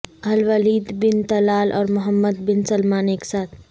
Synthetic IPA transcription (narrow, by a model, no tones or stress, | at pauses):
ɦɐlʋəliːd̪bɪnt̪ɐlaːlʔɔ̰ːɾmʊɦəmːəd̪bɪnsəlmaːneːksaːt̪ʰ